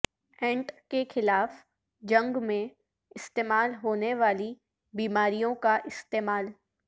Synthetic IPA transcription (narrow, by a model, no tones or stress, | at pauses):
ɛ̃ːɳʈkexɪlaːf | d͡ʒɐ̃ŋɡmẽ | ɪst̪eːmaːlɦoːneʋaːli | biːmaːɾijõkaʔɪst̪eːmaːl